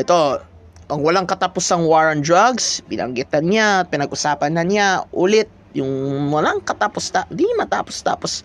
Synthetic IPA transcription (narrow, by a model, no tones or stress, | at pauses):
ʔɛt̪o | ʔɐŋwɐlaŋkɐt̪apʊsɐŋwaɹɐnd̪ɹaɡspɪnʔɐ̰ŋɡɪt̪ɐnɲapɪnɐɡʔʊsaːpɐnːɐnjaʔuːlɪt̪̚ | jʊŋwɐlaŋkɐt̪apost̪ad̪iŋmɐt̪a̰ːpost̪a̰ːpos